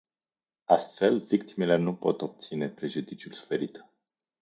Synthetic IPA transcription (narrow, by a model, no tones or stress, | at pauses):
ast̪fe̞lvikt̪imele̞nupo̞̰t̪o̞p̚t̪sine̞pɾe̞ʒud̪it͡ʃiulsu̥fe̞ɾit̪